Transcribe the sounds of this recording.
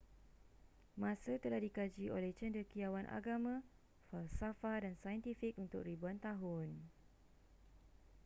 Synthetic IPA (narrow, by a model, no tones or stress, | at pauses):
mãsət̪əlahdikad͡ʒiʔolɛht͡ʃɛndəkiawanʔa̰ɡamã | falsafadansajənt̪ifik̚unt̪ʊk̚ribuant̪aɦʊn